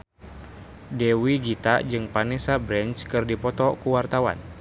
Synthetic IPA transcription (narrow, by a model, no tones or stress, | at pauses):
dɛwid͡ʒit̪a̰ʔd͡ʒɨŋpanɛsabɾɛnt͡ʃkɨrdipɔt̪ɔkuwart̪awa̰n